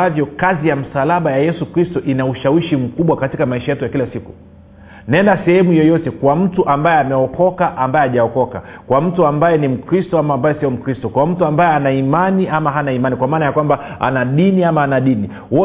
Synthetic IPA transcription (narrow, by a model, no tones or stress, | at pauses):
avjɔkazijam̩salaɓajajɛsukɾistɔʔinauʃawiʃim̩kuɓwakatikamaiʃajɛtujakilasiku | nɛndasɛhɛmujɔjɔtɛkwam̩tuʔambajɛamɛɔkɔkaʔambajɛaʄaɔkɔka̰kwam̩tuambajɛnim̩kɾistɔamambajɛsiɔm̩kɾistɔkwam̩tuambajɛanaimaniʔamaɦanaimanikwamaːnajakwambaa̰naɗiniamaːnaɗini | wɔ